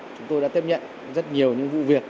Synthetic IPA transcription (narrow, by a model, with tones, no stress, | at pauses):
t͡ɕʊ˨˦ŋ͡mt̪o˧jɗa̰ː˧˥t̪i˦˥p̚ɲə̰˧˨n | zə˦˥t̚ɲi˨˩əwɲɨ̰˧˥ŋvṵ˧˨vi˨˩ək̚